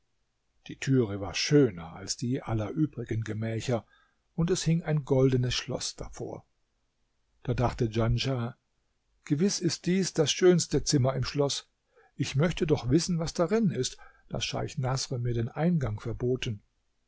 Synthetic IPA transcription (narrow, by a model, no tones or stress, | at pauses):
d̥iːtʰyːʁəva̰ːɐʃøːnɐʔa̰lsd̥iːʔalɐʔyːbʁɪɡənɡəmɛːçɐ | ʔʊntɛshɪŋaɪnɡɔldənəsʃlɔ̰sd̥a̰fo̰ːɐ | d̥aːdaχtəd͡ʒanʒa | ɡ̥əvɪsɪst̚d̥iːsd̥asʃøːnstət͡sɪmɐɪmʃlɔs | ʔɪçmœçtədɔχv̥ɪsn̩vasd̥aʁɪnɪst | d̥a̰sʃa̰ɪçnasʁəmiːɐdeːnʔaɪnɡaŋfɛɐboːtn̩